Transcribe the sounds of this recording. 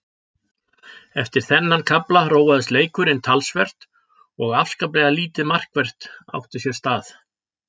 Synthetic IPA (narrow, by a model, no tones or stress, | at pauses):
ɛft̪ɪɾ̥θɛnːankʰaplaɾoːwvaðɪsleːjkʏɾɪnt̪ʰalsvɛr̥t̪ | ɔɣafskaplɛɣaliːt̪ɪmar̥kvɛr̥t̪a̰wht̪ɪsjɛɾ̥st̪aːθ